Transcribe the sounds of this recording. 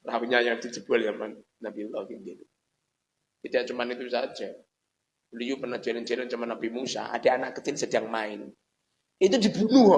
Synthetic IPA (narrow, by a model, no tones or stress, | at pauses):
rauɲajaŋd̥̪id͡ʒəb̥ualjamanː | abilɔkid̪enu | k̪id̪iat͡ʃumanit̪uisḁd͡ʒa | lujupənḁd͡ʒ̥aland͡ʒalɔnt͡ʃamanːabimusa̰ʔa̰d̥aanaʔkːət̪insəd̥aŋmaɪn | it̪udibunuɦ